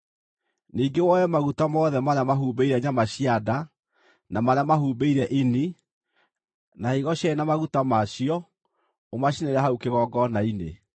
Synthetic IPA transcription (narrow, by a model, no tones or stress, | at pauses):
niːɡewɔjɛmaɣutamɔðɛmaɾeamaɦubeiɾɛɲamaɕiada | namaɾeamahuːbeiɾɛʔini | naiɣɔɕaenamaɣutamaʃiɔ | omaɕineɾaɦaukeɣɔɡɔnainḛ